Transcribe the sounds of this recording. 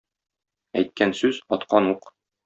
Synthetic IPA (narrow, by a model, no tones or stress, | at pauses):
æjt̪̚kænsʉzɒt̪qɑnuq